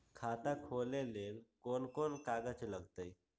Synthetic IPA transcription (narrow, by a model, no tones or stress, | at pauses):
kʰat̪ãkʰolelelkonkonkaɡat͡ɕeləɡt̪əj